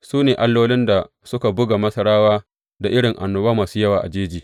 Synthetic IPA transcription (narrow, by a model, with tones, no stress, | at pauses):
suː˦neː˨ʔa˦lːoː˦lɪ˦nda˨ | sʊ˦ka˨bʊ˦ɡa˨mɐ˦sɐ˦ɽaː˦waː˦ | da˨ʔɪ˦ɽɪ˨ŋʔa˨nːʊ˦baː˦maː˨suː˦jɐ˦waː˨ʔa̰˨d͡ʒeː˦d͡ʒiː˨